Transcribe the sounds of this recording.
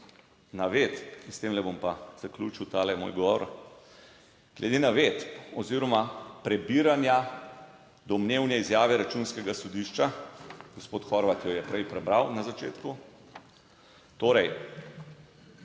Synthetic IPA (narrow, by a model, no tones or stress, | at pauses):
naʋet̪inst̪eːmlɛbompaz̥aklʲuːt͡ʃiwt̪aːlɛmo̰jɡɔʋɔ̰ɾ | ɡ̥lɛd̪enaʋet̪ɔziːɾɔmapɾɛbiːɾanja | d̪ɔmnewnjɛizjaːʋɛɾat͡ʃunskɛɡasɔd̪iʃt͡ʃaɡospoːt̪xɔɾʋat̪jɔjɛpɾɛjpɾɛbɾawnazat͡ʃeːt̪ku | t̪oːɾɛj